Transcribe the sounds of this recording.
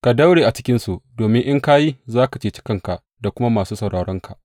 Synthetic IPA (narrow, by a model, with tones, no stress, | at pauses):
ka˨dɐ˦wɽeː˨ʔa˨t͡ʃɪ̥˦kʲɪ˦nsu˨ʔdoː˨mɪ˦ŋʔɪ˦ŋka˦ji˦zaː˦ka˨t͡ʃeː˨t͡ʃɪ̥˦kɐ˨ŋka˨ʔ | da˨kʷʊ˦ma˦maː˨suː˦sɐ˨wɽʔaː˨ɽɔ˦ŋkʰa˨ʔ